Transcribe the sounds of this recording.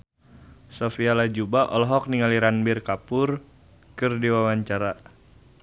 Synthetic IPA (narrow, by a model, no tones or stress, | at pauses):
sofialad͡ʒubaʔɔlɔɦɔk̚niŋaliɾanbirkapʊr | kɨrdiwawaɲt͡ʃaɾa